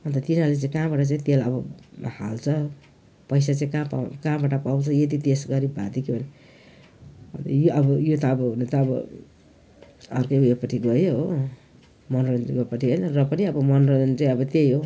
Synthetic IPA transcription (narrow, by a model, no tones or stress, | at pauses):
ʌnt̪ʌt̪inalet͡sãĩkabaʈʌt͡saĩt̪elʌbʌhalt͡sʰʌ | pʌjsat͡saĩkapa̰kabaʈapaw̃t͡sʰʌjed̪it̪esɡʌɾibʱad̪ikebʱʌne | ʌ̰nt̪ʌjoʔʌbʌjot̪ʌːbʌɦunet̪ʌːbʌ̰ | ʌrkʌjujepʌʈʰiɡʌjoɦo | mʌnrʌnɡpʌʈʰiɦʌjnʌrʌpʌniʌbʌmʌnrʌnt͡saj̃ʌbʌt̪ejɦo